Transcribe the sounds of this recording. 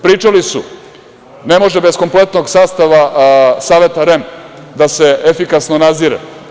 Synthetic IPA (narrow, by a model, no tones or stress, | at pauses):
pɾiːt͡ʃalisu | ne̞mo̞ʒebesko̞mplet̪no̞ɡsaːst̪aʋasaːʋe̞t̪aɾem | d̪ase̞efikasnonaziːɾḛ